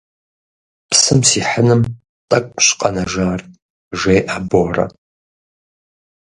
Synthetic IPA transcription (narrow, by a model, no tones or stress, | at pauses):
psɨmsiːħənɨm | tʼɐkʷʼɕqʼɐnɐʒaːr | ʒejʔaboːrɐ̰